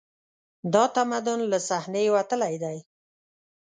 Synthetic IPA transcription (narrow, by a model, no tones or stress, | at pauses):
d̪ɑt̪amad̪ʊnlasahnewat̪əlajd̪aj